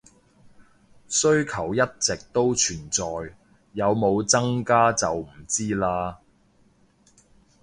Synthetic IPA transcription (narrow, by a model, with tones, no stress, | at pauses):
sɵ˥ɥkʰɐ˨˩wjɐ˥t̚t͡sɪ˨k̚t̪o˥wt͡ʃʰyː˨˩nt͡sɔː˨jː | ɐ˨˧wmo˨˧wt͡sɐ˥ŋkaː˥t͡sɐ˨wm̩˨˩t͡siː˥laː˧